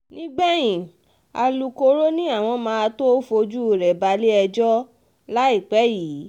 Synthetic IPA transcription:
nĩ˦ɡ͡bɛ˦j̃ĩ˨ | a̰˧lu˧ko˧ɾo˦nĩ˦a˦˨w̃ɔ̃˧mãː˧˦a˧to˦fo˧d͡ʒu˦u˨ɾɛ˨ba˧le˦ɛ˧d͡ʒɔ˦ | la˦i˦˨k͡pɛ˨˦jiː˨˦

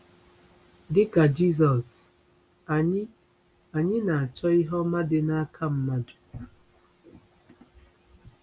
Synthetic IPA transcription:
dɪ˦ka˨d͡ʒi˦s̬ɔ˨s | a˨ɲɪ˦ | a˨ɲɪ˦na˨a˨t͡ʃɔ˦ɪ˦ɦɔ˦ma˦dɪ˦na˦kʰa˦˨m̩˦na˨du˨

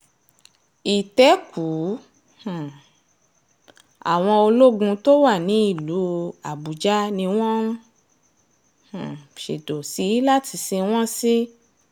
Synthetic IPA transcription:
i˨tɛ˨˦kʰu˨˦ | h̩˨ | a̰˨w̃ɔ̃˧o˧lo˦ɡũ˧to˦wa˦˨nĩ˨˦i˦˨lu˨˦a˨bu˨d͡ʒa˦nĩ˧w̃ɔ̃˦ | h̩˨ʃḛ˨do˨si˨˦la˦tʰi˧si˧w̃ɔ̃˦si˦

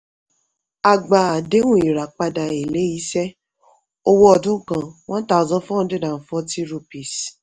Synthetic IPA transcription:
a˨ɡ͡ba˨a˨de˨˦wũ˦˨i˨ɾa˨k͡pa˧da˨e˨le˨˦i˨˦ʃɛ˦ | o˧wo˧ɔ˧dũ˦kã˨w̃ɔ̃˦ta˦˨zɔ̃˦fɔ̃˦de˦da˨n̩˨fɔ˦ti˦ɾu˧pi˨s

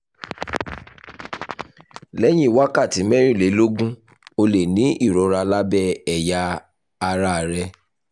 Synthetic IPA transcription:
lɛ˦j̃ĩ˦˨wa˦ka˦˨ti˨˦mɛ˦ɾ̃ĩ˦˨le˨˦lo˦ɡũ˦ | o˧le˨nĩ˨˦i˦˨ɾɔ˨˦ɾa˧la˦bɛ˦ɛ˨jaː˧ | ɾa˦˨ɾɛ˧

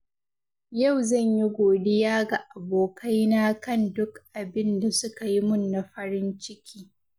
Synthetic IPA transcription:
ja˦˨wzɐ˦˨ɲji˦ɡʷoː˨dɪ˦jaː˦ɡa˨ʔa˨boː˨kʰɐ˦jnaː˦kɐ˦˨ndʊ˦kʔa˨bɪ˦nda˨sʊ˦ka˨ji˦mʊ˦˨nːa˨ɸɐ˦ɽɪ˦nt͡ʃɪ˦kʲʰiː˦

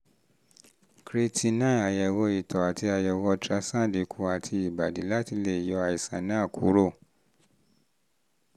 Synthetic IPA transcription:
kɾe˧tʰi˧nã˦˨a˨jɛ˨wɔ˧i˨tʰɔ˨a˨ti˧a˧jɛ˨wɔ˧tɾa˧sã˦˨di˨˦kʰu˧˦a˨tʰi˧i˨ba˨di˨˦la˦ti˧le˦˨jɔ˨˧a˧i˨sã˨nã˦a˦˨kʰṵ˨˦ɾo˦˨

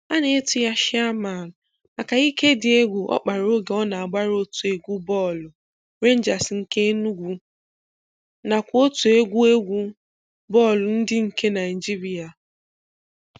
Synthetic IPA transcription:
a˦ne˦e˦tu˦ja˦ʃɪ˦a˦ma˨nʊ˨ | ma˨ka˨i˦ke˦dɪ˨e˦ɡʷʊ˨ʔɔ̰˦k͡pa˨ɾo˦ɡe˨˦ɔ˦na˨a˨ɡ͡ba˦ɾo˦tu˨e˨ɡʷu˦bɔ˦˨lʊ˨ | ɾe˦n̩˦d͡ʒa˨sŋ̩˨ke˦nu˦ɡʷu˦ | na˨kʷo˦tu˨e˦ɡʷu˦e˦ɡʷu˦ | bɔ˦˨lʊ˨n̩˦dɪ˦ŋ̩˨ke˦na˨ɪ˨d͡ʒi˦ɾi˦a˨

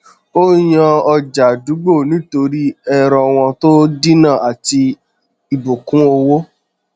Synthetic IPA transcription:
o˦j̃ã˧ɔ˧d͡ʒa˨du˨˦ɡ͡bo˦˨nĩ˨˦to˧ɾi˦ɛ˦ɾɔ˧w̃ɔ̃˧to˦di˦nã˦˨a˨ti˧ | i˨bo˨kũ˨˦o˧wo˦

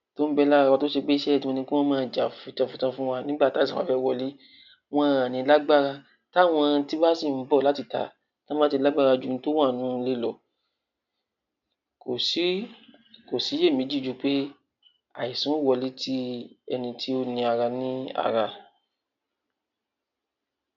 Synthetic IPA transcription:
to˦n̩˦bɛ˧la˦a˧a˧to˦ʃe˧k͡pe˦i˧ʃɛ˦ɛ˦˨ĩ˦ɔ̃˧nĩ˧ki˦wɔ̃˦mãː˦˧˨d͡ʒa˨fũ˨˧tã˧˨fũ˨˧tã˧fũ˦wa˧nĩ˦ɡ͡ba˦˨ta˨˦˨sũ˨a̰˦fɛ˦wɔ˧˨li˨˦ | w̃ɔ̃˦˧ã˨nĩ˨˧la˦ɡ͡ba˦˨ɾa˧ | ta˦˨w̃ɔ̃˧ti˦ba˦si˦˨m̩˨˦bɔ˦˨la˨˦ti˦˨ta̰˨ | ta˦mã˦ti˧la˦ɡ͡ba˦ɾa˧d͡ʒu˦n˧˦to˦w̃ã˦˨nũ˦˧le˦lɔ˨ | ko˨si˨˦ | ko˨si˨˦je˦˨mĩ˨˦d͡ʒi˦˨˦d͡ʒu˧k͡pe˦ | a˨i˨sũ˨˦˨wɔ˧li˨˦tʰi˦ɛ̰˧nĩ˧tʰi˦o˦nĩ˧a˧ɾa˧nĩ˦a̰˨ɾa˧

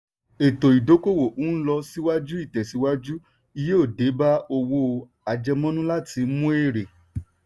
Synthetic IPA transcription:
e˨to˨i˨do˨˦ko˦˨wo˨u˨˦n̩˦lɔ˧si˦wa˦d͡ʒu˦i˦˨tɛ˨si˨˦wa˦d͡ʒu˦ | i˧je˦o˦˨de˨˦ba˦o˧wo˧ | a˨d͡ʒɛ˧mɔ̃˦nũ˦la˦ti˧˦mũ˦e˦˨ɾe˨

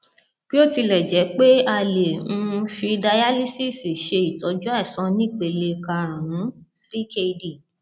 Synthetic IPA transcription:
b̥i˦o˦ti˧lɛ˨d͡ʒɛ˨˦k͡pe˦a˧lẽ˨˧fi˧da˧ja˦li˦si˦˨si˨ʃe˧i˨tɔ˨˦d͡ʒu˦a˦ɛ˨sɔ̃˧˦nĩ˦˨k͡pe˧le˧ka˧ɾ̃ã˨nũ˨˦si˦ke˧i˧di˦˨

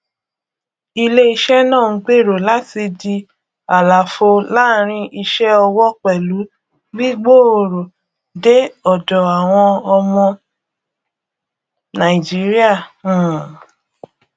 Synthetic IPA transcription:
i˧le˦i˧ʃɛ˦nãː˦˨˦ɡ͡be˦˨ɾo˨la˨˦ti˧di˧ | a˨la˨fo˧la˦ɾ̃ĩ˧ʔi˧ʃɛ˦ɔ˧wɔ˦k͡pɛ˨lu˨˦ | bi˦ɡ͡bo˦˨o˧˨ɾo˨ | de˦ɔ˨dɔ˨a˨w̃ɔ̃˧ɔ˧mɔ̃˧ | nã˨i˨d͡ʒi˨˦ɾi˦ã˦˨

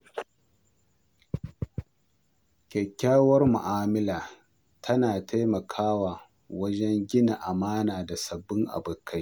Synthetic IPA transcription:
kʲɛ˨kʲːaː˦wɐ˦rmʊ̰˨ʔaː˨mɪ˦laː˨ | tʰɐ˦naː˨ta˦jmɐ˨kʰaː˦waː˨ | wɐ˦d͡ʒɛ˦ŋɡʲɪ˦na˨ʔa˨maː˦naː˨da˨sɐ˨bːɪ˦ŋʔa̰˨bʊ˨kʰːa˦j

